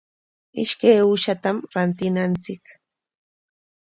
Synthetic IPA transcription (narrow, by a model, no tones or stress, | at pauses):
ɪ̰ʃkajʊʃat̪amɾant̪ɪnant͡sɪk